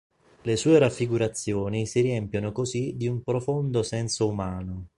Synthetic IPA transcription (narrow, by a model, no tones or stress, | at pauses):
lesuːeɾafːiɡuɾat̪sːjoːnisiriɛmpjonokozid̪iumpɾofond̪osɛnsoumaːno